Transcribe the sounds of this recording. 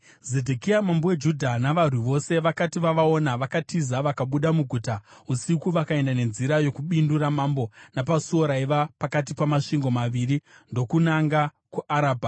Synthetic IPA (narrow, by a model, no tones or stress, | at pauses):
ze̞dʱekiamambowe̞d͡ʒudʱanaʋar̤wuʋo̞se̞ʋakatiʋaʋao̞naʋakatizaʋakaɓuɗamuɡʱutausikuʋakae̞ndane̞nziɾajo̞kuɓinduɾamambo̞napasuo̞ɾaiʋapakat̬ipamaʂiŋɡo̞maʋiːɾindo̞kunaŋɡa | kuʔaɾaːbʱa